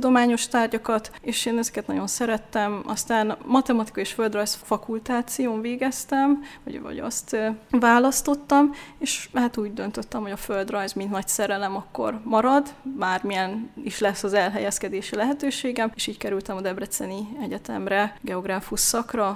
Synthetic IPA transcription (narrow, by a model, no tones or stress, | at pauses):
ud̪o̞maːɲo̞ʃt̪aːrɟɒkɒt̪eːʃeːnɛzɛ̥kɛt̪nɒ̰ɟo̞nsɛɾɛt̪ːɛmɒ̰st̪aːnmɒt̪ɛmɒt̪i̥kɒiʃføld̪rɒjsfɒkult̪aːt̪sijoːɱveːɡɛst̪ɛmvɒ̰ɟvɒ̰ɟɒ̰st̪ːvaːlɒst̪o̞t̪ːɒmeːʃhaːt̪uːɟd̪ø̞nt̪øt̪ːɛmho̞ɟɒføld̪rɒjzmint̪nɒcsɛɾɛlɛmɒkːo̞̰rmɒɾɒd̪baːrmijɛniʃlɛsːɒzɛlɦɛjɛskɛd̪eːʃilɛɦɛt̪øːʃeːɡɛmeːʃiːckɛɾylt̪ɛmɒd̪ɛbrɛt̪sɛniɛɟɛt̪ɛ̰mrɛɡɛo̞ɡraːfuʃsɒkrɒ